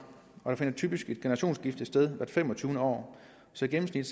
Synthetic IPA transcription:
ɒ̽ɾɑ̈fe̝nɐt͡sʰy̰ːb̥isɡ̥e̝d̥̚ɡ̥e̝nɐʁɑ̈ɕo̝̰ːnsɡ̥ifd̥ð̩sd̥eð̞ˠʋæɐd̥fem̰ɒ̽t͡sʰyːʊnəɒ̰ː | sɒ̽ɡem̩snid̥

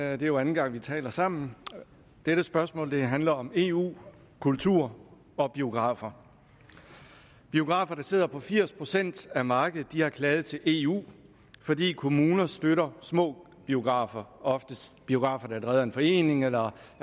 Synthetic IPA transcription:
d̥e̝jo̝æn̩ɡ̥ɑ̈ŋ̰ʋit͡sʰɛ̰ːlɐsɑ̈m̰n̩ | d̥eɾ̥əsb̥ɶɐsmɔ̰̽ld̥e̝ɦænlɐɒ̽me̝ːṵː | kʰult͡sʰuɐ̰ | ɒ̽b̥io̝ɡ̥ʁɑ̰̈ːfɐ | b̥io̝ɡ̥ʁɑ̈ːfɐɾ̥ɑ̈se̝ð̰ˠɐpʰɒ̽fiɐ̰spʰʁo̝sen̰d̥æmɑ̈ːɡ̥əð̩ˠd̥ihɑ̈kʰlɛːð̞̩ˠt͡sʰe̝lʔe̝ːṵː | fɒ̽dḭːkʰo̝muːnɐsd̥øɾɐsmɔ̰̽ː | b̥io̝ɡ̥ʁɑ̰̈ːfɐɒ̽fd̥əsb̥io̝ɡ̥ʁɑ̈ːfɐd̥ɑ̈æləʁɛːðˠɐe̝nfɒ̽e̝̰ːne̝ŋelɐ

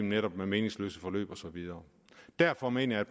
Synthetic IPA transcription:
mneɾɒ̽b̥meme̝ːne̝ŋslø̰ːsəfɒ̽lø̰ːb̥ɒ̽sɒ̽ʋiðˠɐː | d̥æɐ̰fɒ̽me̝̰ːnɐjæd̥̚pʰ

